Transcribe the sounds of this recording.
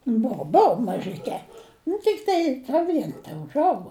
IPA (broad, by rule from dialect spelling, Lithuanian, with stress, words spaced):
ˈboːʊ ˈboːʊ mɐʒʲɪˈkʲɛ nʊ tʲɪkˈtɐɪ nʊ ˈʋʲiɛn tʲɛʊʒˈɐʊɡoː